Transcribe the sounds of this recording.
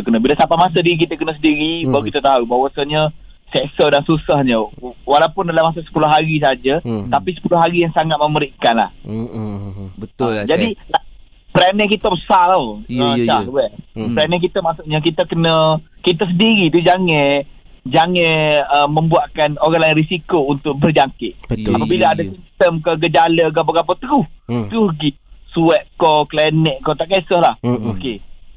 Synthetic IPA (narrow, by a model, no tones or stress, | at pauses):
əkənə̃bilasapamas̬ədik̬it̪əkənəs̬ədiɾibaukit̪ət̪aubawasaɲə | sɛsədaŋsusəhɲəwalawpʊndalamasasə̥pulʊhɦaɾis̬aad͡ʒət̪apisə̥pulʊhɦaɾijaŋsaŋat̪̚məməɾiʔkanla̰h | bəd͡ʒadila | pɾanɛ̃k̬it̪əbəsaloəsahwɛpɾanɛ̃k̬it̪əmasuʔɲak̬it̪əkənə̃kit̪əs̬əndiɾit̪̬ud͡ʒaŋɛ̃ | d͡ʒaŋɛ̃əmːə̃mbuaʔkanoɾaŋlainɾisikount̪ʊk̚bərd͡ʒaŋkɪʔ̚bəapabilaadasint̪əmkəɡəd͡ʒaləɡap̬aɡap̬at̪əɡuht̪uɡi | suɛʔ̪̚koklɛnɛʔkːɔt̪aʔkasɔhlahoke